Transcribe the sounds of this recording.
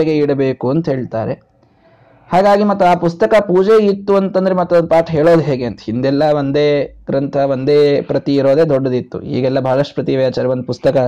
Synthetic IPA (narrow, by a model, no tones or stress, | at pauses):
eɡeiɽɐbeːkuɐnt̪ɐɦe̞ːɭt̪aːɾe̞ | haːɡaːɡimɐt̪ːuaːpust̪ɐkɐpuːd͡ʒeit̪ːuɐnt̪ɐnd̪ɐɾemɐt̪ːuɐpaːʈɦeːɭo̞ːd̪ɦeːɡeɐnt̪ɐhind̪ɛlːɐʋond̪eːɡ̥ɾɐnt̪ʰɐʋond̪eːpɾɐt̪iːɾo̞ːd̪e̞ːd̪ɔɖːɐd̪it̪ːṵḭːɡɛlːɐbʱaːɭɐʂʈupɾɐt̪iʋɐjaːt͡ʃaːɾeʋɐnd̪upust̪ɐkɐ